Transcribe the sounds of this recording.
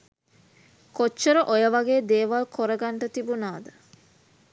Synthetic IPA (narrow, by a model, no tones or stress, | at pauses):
kot͡ʃːəɾəʔojəʋɐɡeːd̪eːʋalkʰoɾəɡaɳʈət̪ibunaːd̪ə